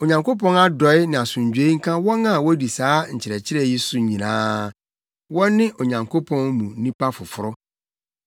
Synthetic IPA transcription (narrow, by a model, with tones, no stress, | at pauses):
o˨ɲã˨ŋko˦pɔ̃˦na˦dɔ˨ɪ˦nɪ̃˨a˨sũ˨ɲ˨d͡ʑᶣe˦ŋ̩˦kʰã˦wɔ̃˦nã˦˨wɔ˦di˨saː˨˦ɲ̩˨t͡ɕʰɪ˨ɾɛ˨t͡ɕʰɪ˦ɾɛ˦˨ji˦sʊ˨ɲĩ˨nãː˦ | wɔ̃˦nɪ̃˦ʔo˨ɲã˨ŋkʰo˦pʰɔ̃˦nmũ˨˦nĩ˦pa˦fʊ˨fʊ˦ɾʊ˦